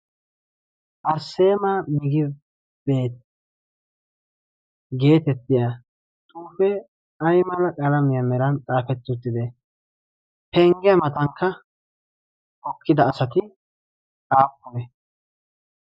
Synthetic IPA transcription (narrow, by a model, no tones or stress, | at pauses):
ʔɐɾse̞ːmamɪɡɪ | b̥e̞ːt̪ | ɡe̞ːt̪ɛt̪ːɪja | t̪ʼuːfɛ | ɐjmɐlɐkʼɐlɐmɪjɐmɛɾɐnt͡sʼaːfɛt̪ːʊt̪ːɪd̪ɛ | pɛŋɡɛjɐmɐt̪ɐŋkːɐ | ʔɔkːɪd̪ɐːsɐt̪ɪ | sʼaːpːɔmɛ